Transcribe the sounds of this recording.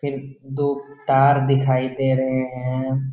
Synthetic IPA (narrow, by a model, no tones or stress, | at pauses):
pʰɪɾd̪oːt̪aːɾd̪ɪkʰaːid̪eːɾɐɦeɦɛ̃ɛ̃ː